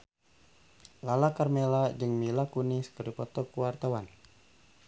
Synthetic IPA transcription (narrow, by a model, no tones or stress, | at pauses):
lalakarmelad͡ʒɨŋmilakuniskəɾipɔt̪ɔkuwart̪awan